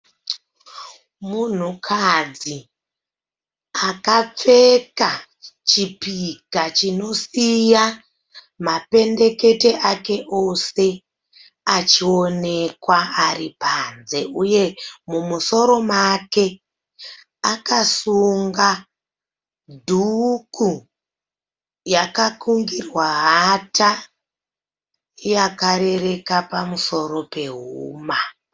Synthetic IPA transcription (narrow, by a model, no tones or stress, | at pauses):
mun̤ukʰad͡zi | akap͡fe̞ka | t͡ʃipikat͡ʃino̞sija | mape̞nde̞ke̞te̞ʔake̞ʔo̞se̞ | at͡ʃio̞ne̞kwaaripaːnze̞uje̞mumuso̞ɾo̞make̞ | akasuŋɡa | dʱuku | jakakuŋɡirwaɦata | jakaɾe̞re̞kapamuso̞ɾo̞pe̞ɦuuːma